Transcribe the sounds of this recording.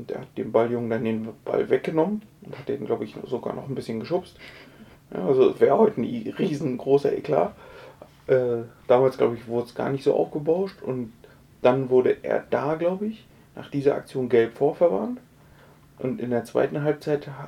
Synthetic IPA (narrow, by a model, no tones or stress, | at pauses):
ʔʊntʔḛːɐhat̚d̥eːmbaljʊŋən̩dandeːnb̥a̰lvɛk̚ɡ̥ənɔmənʔʊnthat̚d̥ḛːnɡlaʊbəɪçzoɡa̰ːɐnɔχn̩bɪsçənɡəʃʊst | ja̰ːʔazosvɛːʁəhɔʏtənʁiːzn̩ɡʁoːsɐʔḛkʰla̰ː | ʔɛːd̥aːmaːlsɡ̥la̰ʊbəɪçv̥ʊɐdəsɡ̥a̰ːɐnɪçtz̥o̰ːʔa̰ʊfɡ̥əbaʊʃtʊnt | d̥anvʊɐɾəʔḛːɐd̥aːɡlaʊbəɪç | na̰ːχd̥iːzɐʔa̰k̚t͡sjoːnɡɛlpfoːɐfɛɐva̰nt | ʔʊntɪndeːɐt͡sv̥a̰ɪtn̩ɦalp̚t͡saɪth